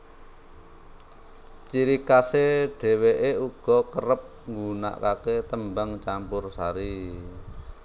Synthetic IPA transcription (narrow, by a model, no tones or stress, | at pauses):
t͡ʃiɾikaseɖ̥ɛ̤weʔeuɡ̥ɔ̤kərəp̚ŋɡuna̰ʔkaket̪əmbaŋt͡ʃampʊrsaɾi